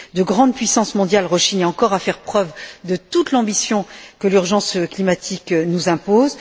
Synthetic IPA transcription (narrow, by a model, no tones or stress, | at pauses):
d̪əɡʁɑ̃d̪pɥisɑ̃smɔ̃d̪jalʁɔʃinɛɑ̃kɔʁafɛʁpχœvd̪ət̪ut̪lɑ̃bisjɔ̃kəlyʁʒɑ̃sklimat̪ʰiknuzɛ̃poz